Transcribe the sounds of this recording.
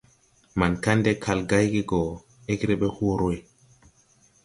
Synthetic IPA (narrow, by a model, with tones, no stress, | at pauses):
ma˨nka˦ndɛ˦kʰa˨lɡa˦jɡi˦ɡɔ˨ | e˦ɡɾɛ˦ɓɛ˦ho˦ɾo˦j